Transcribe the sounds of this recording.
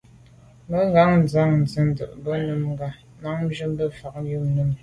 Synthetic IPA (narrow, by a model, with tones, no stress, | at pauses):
mə˦ŋɡa˨˦ŋn̩˨za˦˨ŋn̩˨zə˦n̩˨də̰˨ʔbə˦nə˦˨mŋ˦ɡa˦˨ | ma˨˦ŋm̩˦d͡ʒə˦m˦bə˦fa˨k̚ju˦˨mnu˦˨m